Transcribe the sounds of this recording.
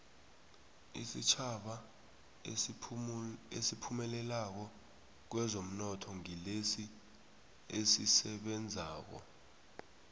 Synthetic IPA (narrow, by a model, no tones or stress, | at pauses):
ḭsit͡ʃʰaɓa | esipʰumɛlɛlak̬ɔ | k̬wɛzom̩nɔtʰɔŋilesi | esisɛɓɛnd͡zʱaːk̬ɔ̰